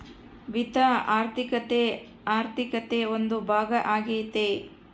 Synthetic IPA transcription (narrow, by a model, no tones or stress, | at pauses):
ʋit̪aaːɾt̪ʰikɐt̪e | aːɾt̪ʰikɐt̪eond̪ubʱaːɡɐʔaːɡet̪e